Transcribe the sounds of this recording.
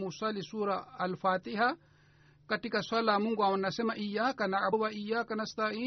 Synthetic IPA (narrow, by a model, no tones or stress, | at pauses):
musʷalisuːɾaːlfaːt̪iha | katikaswalamuŋɡuaunːasemaʔijːaːkanaʔawaʔijːaːkanast̪aiː